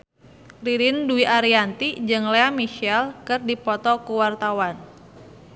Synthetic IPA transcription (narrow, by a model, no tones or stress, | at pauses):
riɾɪnduiʔaɾiant̪id͡ʒɨŋleamiʃɛlkɨrdipɔt̪ɔkuwart̪awan